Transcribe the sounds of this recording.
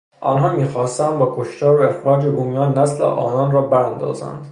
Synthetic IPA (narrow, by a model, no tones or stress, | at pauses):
ʔɒːnɦɒːmiːxɒːst̪ænd̪bɒːkʰoʃt̪ʰɒːɾoexɾɒːd͡ʒebumijɒːnːæslḛʔɒ̰ːnɒːnrɒːbæɾænd̪ɒ̰ːzæ̰nd̪